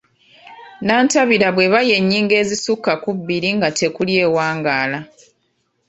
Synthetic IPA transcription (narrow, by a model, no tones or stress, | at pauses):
naːntaβiɾaβwe̞βaje̞ɲːiːŋɡe̞ːzisukːakubːiɾiŋɡatʰe̞kulje̞ːwaːŋɡaːla